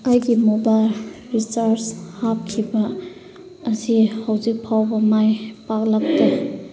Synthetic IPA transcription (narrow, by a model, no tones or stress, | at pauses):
ajɡimobajlɾisaɾshap̚kʰibɐː | sihawzik̚pʰawbɐmajpak̚lak̚te